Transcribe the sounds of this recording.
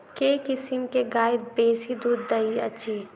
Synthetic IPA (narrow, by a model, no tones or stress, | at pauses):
kekɪsɪmkeɡaːɪd̪̚beːsid̪uːd̪ːɐiɐtːʃʰi